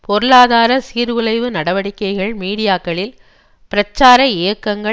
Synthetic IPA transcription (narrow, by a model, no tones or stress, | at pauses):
pɔɾɯɭaːðaːɾɐsiːɾʋɯlɐɪʋɯnɐɽɐʋɐɽɪkːɐɪɣɐɭmiːɽɪjaːkːɐɭɪl | pɪɾɐt͡ʃːaːɾɐɪjɐkːɐŋɡɐ